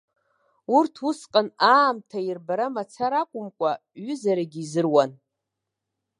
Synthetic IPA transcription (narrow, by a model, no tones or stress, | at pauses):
urtʰusqʼanaːmtʰairbaɾamat͡sʰaɾakʷʼʊmkʷʼaɥʏzaɾaɡʲizɨrwan